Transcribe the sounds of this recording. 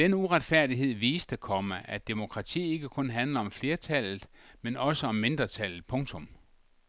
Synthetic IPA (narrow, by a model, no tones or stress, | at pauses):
d̥enuʁad̥fæɐ̰d̥iɦe̝ð̰ˠʋiːsd̥əkʰɒ̽məʔæd̥emo̝kʰʁɑ̈t͡sʰḭːe̝ɡ̥əkʰɔ̽nɦænlɐɒ̽mfle̝ːɐt͡sʰæl̰ð̩ˠmenɒ̽səɒ̽mːe̝nd̥ʁɐt͡sʰæl̰ð̩ˠpʰɔ̽ŋt͡sʰɔ̽m